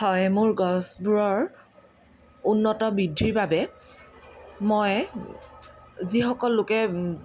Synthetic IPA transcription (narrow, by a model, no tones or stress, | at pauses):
hɔjmʊɹɡɔsbuɹɔɹ | unːɔtɔbidʱːiɹbabɛ | moj | zixɔkɔlːʊkɛ